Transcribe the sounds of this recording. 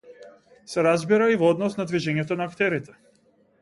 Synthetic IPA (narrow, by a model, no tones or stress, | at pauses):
sɛɾazbiɾaivɔɔd̪nɔsnad̪viʒɛɲɛt̪ɔnaːkt̪ɛɾit̪ɛ̥